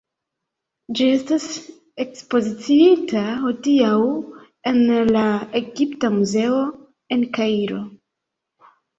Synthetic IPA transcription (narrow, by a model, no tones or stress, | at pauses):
d͡ʒie̞stas | e̞kspo̞zit͡siitaho̞diaw | e̞nlae̞ɡiptamuze̞o̞ | e̞nkaiɾo̞